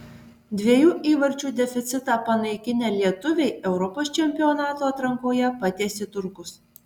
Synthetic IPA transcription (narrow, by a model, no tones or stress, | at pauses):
d̪ʲʋʲiɛjuːʔiːʋɐɾʲt͡ʃʲuːd̪ʲɛfʲɪt̪sʲɪt̪ɑːpɐnɐɪkʲɪnʲeːlʲiɛt̪ʊʋʲɛɪɛʊɾɔpoːst͡ʃʲɛmʲpʲɪɔnɑːt̪oːɐt̪ɾɐŋkoːjɛpɐt̪ʲeːsʲɪt̪ʊɾkʊs